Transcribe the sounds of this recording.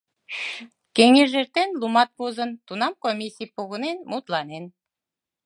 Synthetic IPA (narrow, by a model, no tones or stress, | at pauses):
keŋeʒert̪enlumɑt̪̚pozənt̪unɑmkomʲisʲijpoɣənenmut̪lɑnen